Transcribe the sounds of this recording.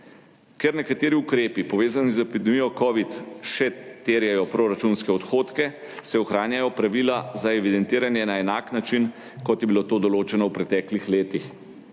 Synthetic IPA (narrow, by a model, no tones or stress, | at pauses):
kɛɾnɛkat̪eːɾiukɾeːpipɔʋeːzanizɛpid̪ɛmijɔkɔʋit̪ʃɛt̪eːɾjɛjɔpɾoːɾat͡ʃunskɛɔt̪xoːt̪kɛ | sɛɔxɾaːnjajɔpɾaʋilazaɛʋid̪ɛnt̪iːɾanjɛnaɛnaːknat͡ʃin | kɔt̪jɛbilot̪oːd̪ɔloːt͡ʃɛnɔwpɾɛt̪ɛːklixleːt̪ix